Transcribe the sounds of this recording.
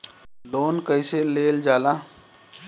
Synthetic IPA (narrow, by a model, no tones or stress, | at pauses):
loːnkəɪseleːld͡ʒaːla